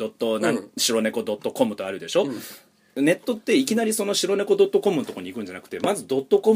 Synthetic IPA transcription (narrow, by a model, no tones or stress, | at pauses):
d̪ot̪ːonãɕiɾo̞ne̞ko̞d̪o̞t̪ːo̞ko̞mɯ̟t̪o̞aɾɯ̟d̪e̞ɕo̞ | ne̞t̪ːo̞t̪ːe̞ikʲinaɾʲiso̞no̞ɕiɾo̞ne̞ko̞d̪o̞t̪ːo̞ko̞mɯnot̪oko̞ɲ̟ikɯ̟ɲ̟d͡ʑanakɯ̟̥t̪e̞mazɨd̪o̞t̪ːo̞ko̞m